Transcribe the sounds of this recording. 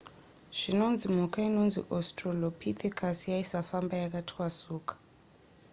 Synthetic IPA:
ʃinond͡zʱimɔkʰainond͡zʱḭʔɔstʼrɔlopʰit̪ʰɛkʰasijaisafambajak̬ʼatʰwasuːkʰʼḁ

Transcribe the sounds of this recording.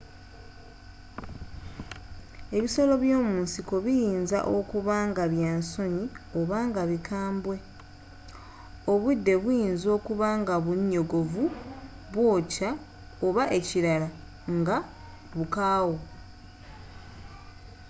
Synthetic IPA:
e̞βiso̞lo̞βjo̞ːmuːnsiko̞βijiːnza̰ʔo̞kuβaːŋɡaβjaːnso̞ɲio̞βaːŋɡaβikaːmbwe̞ | o̞βud̪ːe̞βujiːnzo̞ːkuβaːŋɡaβuɲːo̞ɡo̞vu | βwo̞ːca | oβaʔe̞ciɾala | ŋɡa | βukaːwo

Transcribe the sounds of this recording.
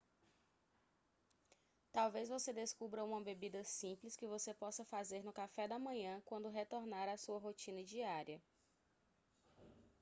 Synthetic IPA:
t̪awvezvosed̪eskubɾɐũmɐbebid̪ɐsĩplɪskɪvosepɔsɐfazeɾnʊkafɛd̪ɐmɐ̃ɲɐ̃kwɐ̃nd̪ʊɦet̪oɾnaɾasuɐɦot͡ʃĩnɐd͡ʒiaɾiɐ

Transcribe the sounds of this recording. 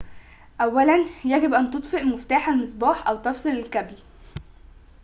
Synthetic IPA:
ʔæwːælænjæɡebʔænt̪ot̪ˤfeʔmoft̪aːħælmesˤbɑːħʔæwt̪ɑfsˤelelkæbl

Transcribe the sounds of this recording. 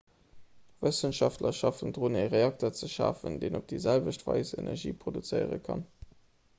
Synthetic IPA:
vəsənʃɑftlɐʃɑfəndʁoneʁeɑk̚toɐt͡səʃa̰ːfəndeːnop̚d̥iːzælvəʃtv̥ɑ̰ɪzḛnɛ̰ʁʒḭːpʁodut͡səjəʁə̰kʰɑn

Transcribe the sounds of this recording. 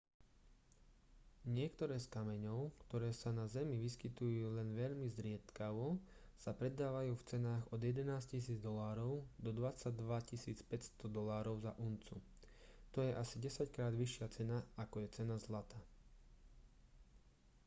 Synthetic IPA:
ɲɪɛkt̪ɔɾɛːskamɛɲɔʊkt̪ɔɾɛːsanazɛmiʋiskit̪ujuːlɛnʋɛʎmizɾɪɛt̪kaʋɔsapɾɛd̪ːaːʋajuːft͡sɛnaːɣɔd̪jɛd̪ɛnaːscis̬iːd͡zd̪ɔlaːɾɔʊd̪ɔd̪ʋat͡saɟd̪ʋacisiːt͡spɛcst̪ɔd̪ɔlaːɾɔʊzaʔunt͡su | t̪ɔjɛʔasiɟɛsackɾaːd̪ʋiʃɪat͡sɛnaakɔjɛt͡sɛnazlat̪aː

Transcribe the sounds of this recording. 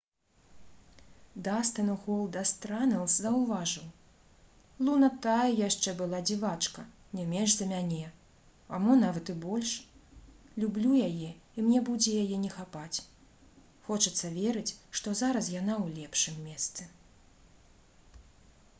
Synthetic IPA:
d̪ast̪ɐnuɣɔlˠd̪ast̪ɾanɛw̪ˠszɐwvaʐɨw | lˠunɐt̪ajɐjaʂt͡ʂɛbɨlˠad͡zʲivat͡ʂkɐ | nʲɛmʲɛʐzɐmʲanʲɛ | ɐmɔnavɐt̪ɨbɔlʲʂ | lʲublʲujajɛimnʲɛbud͡zʲɛjajɛnʲɛxapat͡sʲ | xɔt͡ʂɐt̪sːɐvʲɛɾɨt͡sʲʂt̪ɔzaɾɐs̬janawlʲɛpʂɨmːʲɛst̪sɨ

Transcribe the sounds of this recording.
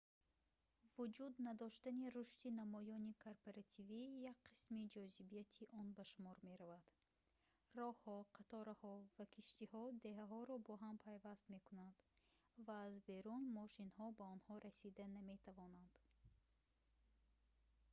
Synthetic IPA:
vud͡ʒud̪nad̪ɔʃt̪aniɾuʃt̪inamɔjɔnikʰoɾpoɾat̪ʰivijak̚qʰi̥smid͡ʒɔzibijat̪ʰiʔɔnbaʃumɔɾme̞ɾavad̪̥ | rɔhhɔqʰat̪ɔɾahɔvakʰiʃt̪ihɔd̪e̞ɦaɦɔɾɔbɔɦampʰajvast̪me̞kunand̪̥ | vaːzbe̞ɾunmɔʃinhɔbaɔnhɔɾasid̪aname̞t̪ʰavɔnand̪̥

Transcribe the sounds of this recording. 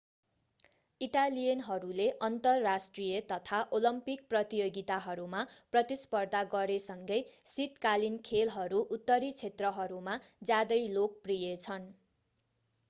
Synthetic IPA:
iʈalijʌnɦʌɾuleʔʌnt̪ʌrːasʈrijʌt̪ʌt̪ʰaʔolʌmpik̚prʌt̪ijoɡit̪aɦʌɾumaprʌt̪ispʌrd̪ʱaɡʌɾesʌŋɡʌjsit̪kalinkʰelɦʌɾuʔut̪ːʌɾit͡sʰet̪rʌɦʌɾumad͡zjad̪ʌjlok̚prijet͡sʰʌn

